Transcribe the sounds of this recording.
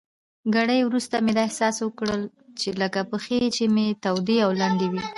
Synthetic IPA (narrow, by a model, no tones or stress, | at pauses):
ɡaɽəjwɾust̪amed̪ɑɪhsɑswəkɽəl | t͡ʃeləkapəxet͡ʃemet̪awd̪eawland̪ewi